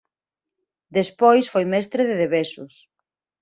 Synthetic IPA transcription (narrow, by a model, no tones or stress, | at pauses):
d̪espojsfojmɛst̪ɾeðeðeβesʊs